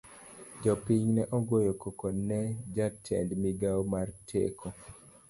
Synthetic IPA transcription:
d͡ʒɔpiɲnɛʔɔɡwojokokonɛd͡ʒatʰɛ̰ndmiɡawmartʰḛkʰo

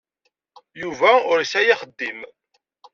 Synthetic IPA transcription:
juvæʊɾsæjaχəd̪ːim

